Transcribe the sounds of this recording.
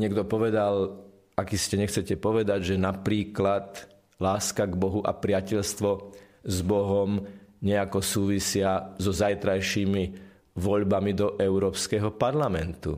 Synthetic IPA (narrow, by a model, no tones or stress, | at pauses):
ɲɪɛɡd̪ɔpɔʋɛd̪al | akiscɛɲɛxt͡sɛcɛpɔʋɛd̪aɟʒɛnapɾiːklat̪ | laːskaɡbɔɦuʔa̰pɾɪacɛʎst̪ʋɔ | zbɔɦɔmɲɛakɔsuːʋisɪazɔzajt̪ɾajʃiːmi | ʋɔʎbamid̪ɔʔɛʊɾɔːpskɛɦɔpaɾlamɛnt̪ṵ